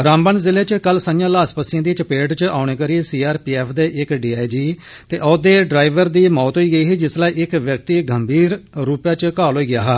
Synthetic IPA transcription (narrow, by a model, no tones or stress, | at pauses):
ɾãːmbənzɪleːt͡ʃkəlsaːjãːlaːspəsɪãːd̪iːt͡ʃəpeːʈt͡ʃa̰ːɽ̃eːkəɾiːesiːaːɾpiːɛːpʰd̪eːʔɪkɖiːaːid͡ʒiː | t̪eːʔɔːd̪eːɖɾaːɪʋəɾd̪iːmɔːt̪ɦoiːɡəiːɦiːd͡ʒɪslaːiːʔɪkʋjək̚t̪iːɡəmbʱiːɾɾuːpjaːt͡ʃkaːlɦoːiːɡɪjaːɦaː